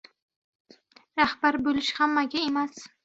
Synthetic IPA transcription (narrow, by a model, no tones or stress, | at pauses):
ɾahb̥aɾbɵlɪʃhamːaɡʲaemas